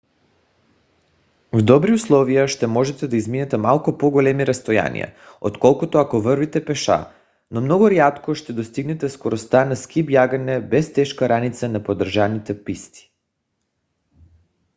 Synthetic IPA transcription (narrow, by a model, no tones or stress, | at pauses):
vd̪ɔbɾiuslˠɔvijaʃt̪ɛmɔʒɛt̪ɛd̪aizminɛt̪ɛmalˠkupoɡolɛmiɾast̪oja̰nḭja̰ | ot̪kɔlˠkut̪oakovrvit̪ɛpɛʃa̰ | nomnɔɡuɾjat̪koʃt̪ɛd̪ost̪iɡnɛt̪ɛskoɾost̪anaskipjaɡanɛbɛst̪ɛʃkaɾanit̪sanapod̪r̩ʒanit̪ɛpist̪i̥